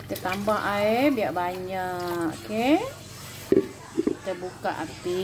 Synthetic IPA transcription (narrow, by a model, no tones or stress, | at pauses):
t̪ət̪ambaʔaebiaʔbaɲaʔke | t̪əbuka̰ʔa̰t̪i